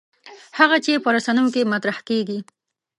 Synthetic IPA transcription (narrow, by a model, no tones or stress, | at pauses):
haɣat͡ʃepəɾasanəjokemat̪ɾahkeɡi